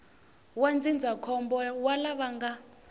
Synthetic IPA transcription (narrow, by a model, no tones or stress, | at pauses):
wand͡zind͡zʱakʰɔmbɔwalaβaŋɡa